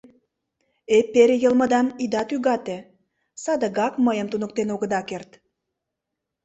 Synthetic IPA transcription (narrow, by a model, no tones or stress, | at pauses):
epːeɾejəlmə̆d̪ɑmid̪ɑt̪yɣɑt̪e | sɑd̪ə̆ɣɑkməjə̆mt̪unək̚t̪enoɣəd̪ɑkert̪